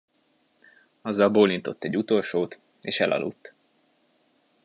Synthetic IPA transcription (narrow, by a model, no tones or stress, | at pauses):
ɒzːɒlboːlint̪o̞t̪ːɛɟːut̪o̞lʃoːt̪ | eːʃɛlʔɒ̰lṵt̪ː